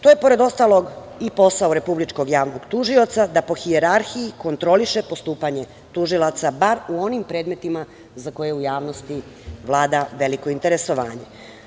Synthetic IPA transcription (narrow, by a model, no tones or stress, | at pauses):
t̪ojepo̞ɾe̞d̪o̞st̪aːlˠo̞ɡ | ipo̞sauɾe̞publit͡ʃko̞ɡjaːʋnoɡ̥t̪uʒio̞t̪sad̪apo̞xieɾaɾxijiko̞nt̪ɾo̞liʃepo̞st̪uːpaɲe̞ | t̪uʒilˠat̪sabaɾuo̞nimpɾe̞ːd̪me̞t̪ima | zako̞jeujaːʋnost̪i | ʋlˠaːd̪aʋe̞liko̞int̪e̞ɾe̞so̞ʋaːɲe̞̰